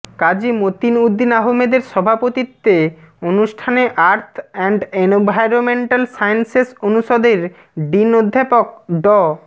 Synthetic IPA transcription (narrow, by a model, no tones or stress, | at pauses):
kad͡ʑimot̪inud̪ːinaɦomed̪eɾʃɔbʱapot̪it̪ːe | onuʃʈʰaneʔaɾt̪ʰɛɳɖenbʱajɾomeɳʈalsajnsesonuʃod̪eɾ | ɖinod̪ʱːapok̚ɖɔ